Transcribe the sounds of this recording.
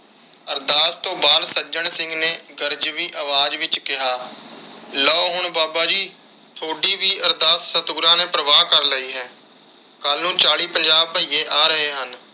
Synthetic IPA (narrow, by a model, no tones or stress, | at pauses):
əɾd̪aːst̪õːbaːlsəd͡ʒəɳsɪ̃ŋɡneːɡəɾd͡ʒʋiːʔəʋaːd͡ʒʋɪt͡ʃkɪɦaː | lɔːɦʊɳbaːbaːd͡ʒiː | t̪ʰoːɽiːʋiːʔəɾd̪aːsːət̪uːɾãːneːpɾəʋaːkəɾləiːɦɛː | kəlnũːt͡ʃaːɽiːpəɲd͡ʒaːb̚pəijeːʔaːɾəɦeːɦən